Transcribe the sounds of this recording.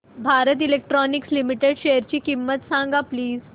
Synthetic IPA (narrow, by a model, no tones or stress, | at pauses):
bʱaɾət̪̬ilek̚ʈɾɔnikslimiʈeɽɕejəɾt͡ɕiːkimːət̪sãŋɡapliːz